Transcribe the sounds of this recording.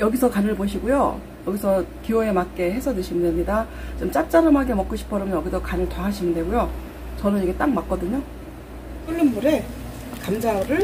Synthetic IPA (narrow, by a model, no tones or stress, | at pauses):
jʌɡisʰʌkanɯɭboɕʰiɡujo̰ | jʌɡisʰʌkioe̞mak͈e̞ɦe̞sʰʌdɯɕʰimɯndemɲida | t͡ɕomt͡ɕ͈at͡ɕ͈aɾɯmɦaɡemʌk͈uɕʰi̥pʰʌɾɯmjʌnjʌɡidʌkanɯɭtaɦaɕʰimɯnde̞ɡujo | t͡ɕʌnɯniɡe̞t͈ak̚mak͈̚ʌdɯɲo | k͈ɯɭːɯmːuɾe̞ | kamd͡ʑaɾɯɭ